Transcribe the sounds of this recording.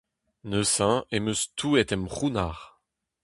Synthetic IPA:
nəsɛ̃eməst̪ʰuɛt̪ɛmʁunaʁ

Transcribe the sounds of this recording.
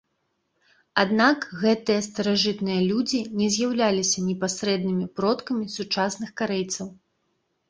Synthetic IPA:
ad̪nakɣɛt̪ɨjɐst̪ɐɾaʐɨt̪nɨjɐlʲud͡zʲinʲɛzʲjawlʲalʲisʲɐnʲɛpasɾɛd̪̚nɨmʲipɾɔt̪kɐmʲisut͡ʂasnɨxkaɾɛjt̪sɐw

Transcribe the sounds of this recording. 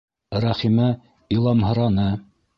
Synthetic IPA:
ɾɑχimæ | ilˠɑmɦɤ̆ɾɑnɤ

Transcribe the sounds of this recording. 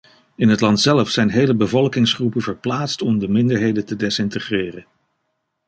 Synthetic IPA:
ɪnɦətlɑntsɛləfsɛjnɦejləbəvɔlˠkɪŋsχrupənvəɹplaːtstɔmdəmɪndəɹɦejdəntədɛsɪntəχrɪːrən

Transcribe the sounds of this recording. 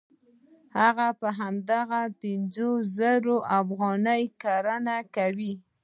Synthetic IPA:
haɣapəɦamd̪aɣapɪnzozəɾoʔafɣɑnəjkaɾanakawi

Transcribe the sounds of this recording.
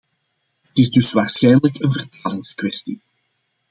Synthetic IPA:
ətɪzdɵsʋaːrsxɛjnələkənvərtaːləndəkwɛsti

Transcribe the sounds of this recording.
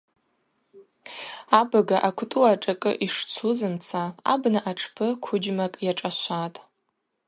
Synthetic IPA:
abaɡaʔakʷʰtʼuaʈ͡ʂʼakʼɨ̰ʔiʂt͡sʰuzɨmt͡sʰaa̰bnaʔaʈ͡ʂʰpʰɨkʷʰʊd͡ʒmakʼjaʈ͡ʂʼaʃʷatʼ

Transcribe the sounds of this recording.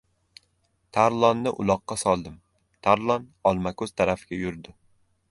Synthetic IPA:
t̪ʰaɾlˠɒnːɪʔʊ̰lˠɒqːɑsɒlˠd̪ɪm | t̪ʰaɾlˠɒnɒlˠmakɵz̥t̪ʰaɾafɪɡʲajʊɾd̪ɪ

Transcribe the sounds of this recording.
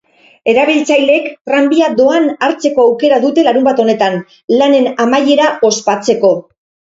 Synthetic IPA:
e̞ɾaβ̞ilt͡sajle̞kt̪rambiad̪o̞anaɾt͡se̞ko̞awke̞ɾaðut̪e̞laɾumbat̪o̞ne̞t̪an | lane̞namaje̞ɾao̞spat͡se̞ko̞

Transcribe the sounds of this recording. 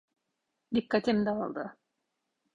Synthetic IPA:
d̪ikːat̪ʰimd̪ɛalˠd̪ɯ̰

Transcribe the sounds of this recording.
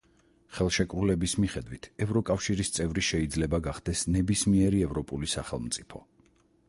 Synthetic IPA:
χɛlˠʃɛkʼɾulɛbismiχɛd̪wit̪ʰɛvɾɔkʼafʃiɾist̪sʼɛvɾiʃɛid̪zlɛbaɡaχd̪ɛsnɛbismiɛɾiɛvɾɔpʼulisa̰χɛlˠmt̪sʼipʰɔ̰

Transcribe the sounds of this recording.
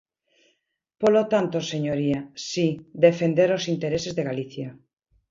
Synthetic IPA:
polot̪ant̪oseɲoɾiasid̪efend̪eɾosint̪eɾesezðeɣaliθja

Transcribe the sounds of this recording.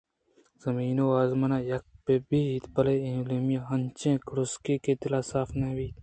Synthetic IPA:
z̥ɐmiːnoaːzmɐnaːjɐk̚pebiit̪bɐleĩlumijãɦɐnt͡ʃẽːkɾuskiket̪ilaːsaːfnebiːt̪

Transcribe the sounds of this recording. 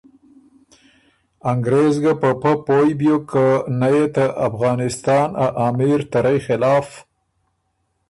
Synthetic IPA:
aŋɡɾezɡapəpəpojbjokənajet̪aʔafɣɑːnɪst̪ɑːnaʔɑmiɾt̪aɾajxɪlɑːf

